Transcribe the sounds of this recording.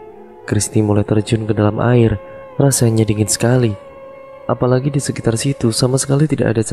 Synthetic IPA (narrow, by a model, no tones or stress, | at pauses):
kɾist̪imulajt̪ərd͡ʒʊnkədalamʔa̰ɪr | rasaɲadiŋɪnsə̥kali | ʔapalaɡidisəkit̪arsit̪usamasə̥kalit̪ida̰ʔa̰dat͡ʃ